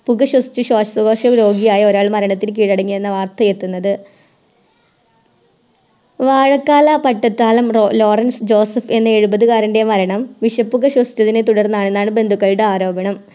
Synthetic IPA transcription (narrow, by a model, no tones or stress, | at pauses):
puɣɐɕwɐsi̥t͡ɕːuɕoːʂɐsɐɣoːʂɐmɾo̞ːɡijaːjɐo̞ɾaːɭmɐɾɐɳɐt̪ːilk̬iːɻɐɽɐŋːijenːɐʋaːrt̪ɐje̞t̪ːunːɐðɨ | ʋaːɻɐkːaːlɐpɐʈːɐt̪ːaːlɐmrolo̞ːrɐnsd͡ʑo̞ːsɐfe̞nːɐe̞ɻubɐðɨkaːɾɐnde̞mɐɾɐɳɐmʋiɕɐpːuɣɐɕwɐsi̥t̪ɐðine̞t̪uɽɐrnːaːɳe̞nːaːɳɨbe̞nd̪ʱukːɐɻɽeaːɾo̞ːbɐɳɐm